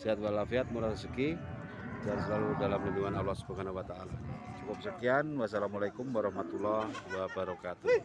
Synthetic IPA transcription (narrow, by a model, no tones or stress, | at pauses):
siɦat̪̚walafiat̪̚muɾat̪asəki | d͡ʒansəlaludalamliniwanawlɔsə̥bakanawat̪aːlasukup̚səkianwasalamalajkumwaɾɔhmat̪ulːɔhwabaɾɔkat̪u